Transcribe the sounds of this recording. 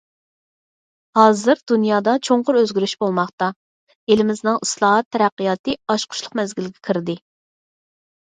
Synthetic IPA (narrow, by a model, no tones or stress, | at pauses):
hɑːzɨɾd̪̥unjɑːd̪ɑt͡ʃʰoɴqʊɾøzɡʲyɾyʃbolˠmɑχt̪ɑ | elɪmɪznɨŋislˠɑːɦɑt̪ʰːɛɾæqːijɑːt̪ɨɑʃqʰʊ̥ʃlˠʊqmɛzɡʲilɡʲɛkʲʰiɾd̪ɪ